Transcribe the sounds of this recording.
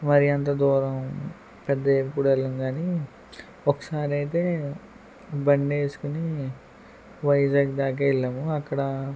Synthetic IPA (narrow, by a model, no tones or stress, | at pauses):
mɐɾiɐnt̪̬ɐd̪ɔːɾɐm | pɛd̪ːɐepːuɽɐlːumɡaːni | okːɐ̥saːɾiɐjt̪̬e̞ː | bɐɳɖeːsu̥kuni | ʋɐjd͡ʒaːɡd̪aːk̬ɐːiɭːɐːmuɐkːɐɽɐ